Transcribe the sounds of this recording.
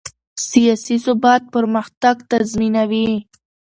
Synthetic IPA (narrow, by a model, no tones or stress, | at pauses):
sijɑsisʊbɑt̪̚pəɾməxt̪aɡt̪azminawi